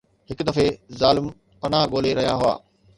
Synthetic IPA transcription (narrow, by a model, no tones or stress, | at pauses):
hɪkʊd̪ɐfezaːlɪm | pɐnaɦɠoːleɾɐɦjaɦʊa̰ː